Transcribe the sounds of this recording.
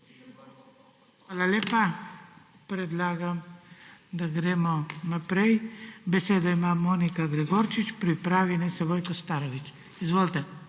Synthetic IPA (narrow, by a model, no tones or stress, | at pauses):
xʋaːlaleːpa | pɾɛd̪laːɡam | d̪aɡɾeːmɔnapɾɛjbɛseːd̪ɔimaːmoːnikaɡɾɛɡoɾt͡ʃit͡ʃpɾipɾaːʋinɛsɛʋɔjkɔst̪aːɾɔʋit͡ʃ | izʋoːlt̪ɛ